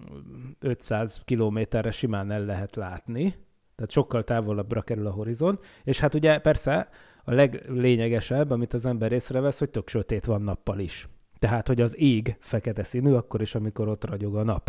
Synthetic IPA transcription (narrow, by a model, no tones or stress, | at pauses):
øt̪saːzkiloːmeːt̪ɛrːɛʃimaːnɛlːɛɦɛt̪laːt̪ni | t̪ɛːt̪ʃo̞kːɒlt̪aːvo̞lɒbrɒkɛɾylɒɦo̞ɾizo̞nt̪eːʃhat̪uɟɛpɛrsɛ | ɒlɛɡleːɲɛɡɛʃɛbːɒmit̪ɒzɛmbɛɾeːsrɛvɛsho̞c̚t̪ø̞kʃøt̪eːt̪ʋɒnːɒpːɒliʃ | t̪ɛɦaːt̪ho̞ɟɒziːɡfɛkɛt̪ɛsiːnyːɒkːo̞ɾiʃɒmiko̞ɾo̞t̪rɒɟo̞ɡɒnɒp